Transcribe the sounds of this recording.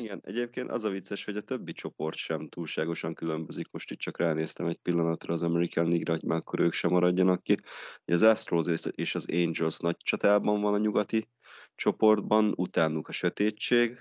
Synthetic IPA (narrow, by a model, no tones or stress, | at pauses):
iɡɛnɛ̰ɟeːp̚keːnt̪ɒ̰zɒvit̪sːɛʃho̞ɟɒt̪ø̞bːit͡ʃo̞po̞rt̪ʃɛmt̪uːlʃaːɡo̞ʃɒŋkylø̞mbø̞zikmo̞ʃt̪iːt̚t͡ʃɒkraːneːst̪ɛmɛc̚pilːɒnɒt̪rɒːzɒmɛɾikanliɡɾɒoɟmaːkːo̞ɾøːkʃɛmɒɾɒɟːɒnɒkːiho̰ɟɒzɛst̪roːzeeːʃɒzeːnd͡ʒɛlsnɒɟt͡ʃɒt̪aːlbɒɱvɒnɒɲuɡɒt̪i | t͡ʃo̞po̞rd̪bɒnut̪aːnukɒʃøt̪eːt͡ʃt͡ʃːeːɡ